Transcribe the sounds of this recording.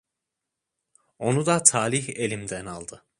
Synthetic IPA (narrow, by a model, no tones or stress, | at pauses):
o̞nud̪at̪ʰaːliçe̞lʲimd̪ænalˠd̪ɯ